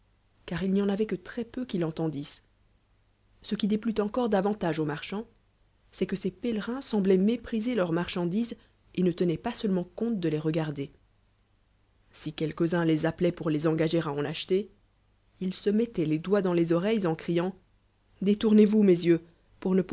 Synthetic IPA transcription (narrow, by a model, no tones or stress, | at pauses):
kaʁilnijɑ̃navɛkət̪χɛpøkʲilɑ̃t̪ɑ̃d̪is | səkʲid̪eplyt̪ɑ̃kɔʁd̪avɑ̃t̪aʒomaʁʃɑ̃ | sɛkəsepɛlʁɛ̃sɑ̃blɛmepχizelœʁmaʁʃɑ̃d̪iz | enət̪ənɛpasœlmɑ̃kɔ̃t̪̚d̪əleʁəɡaʁd̪e | sikʲɛlkəzɛ̃lezaplɛpuʁlezɑ̃ɡaʒeʁaɑ̃naʃt̪e | ilsəmɛt̪ɛled̪wad̪ɑ̃lezɔʁɛjzɑ̃kχijɑ̃ | d̪et̪uʁnevumezjø | puʁnəp